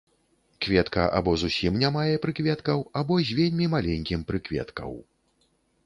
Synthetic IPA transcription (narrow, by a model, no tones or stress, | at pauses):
kvʲɛt̪kɐ̰ʔa̰bɔzusʲimnʲamajɛpɾɨkvʲɛt̪kɐwabɔzʲvʲelʲmʲimalʲɛnʲkʲimpɾɨkvʲɛ̰t̪kɐ̰w